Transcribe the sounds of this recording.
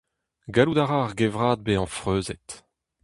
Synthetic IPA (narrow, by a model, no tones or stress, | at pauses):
ɡalud̪aʁaʁɡevʁaːd̪̚beːɑ̃fʁøːzɛt̪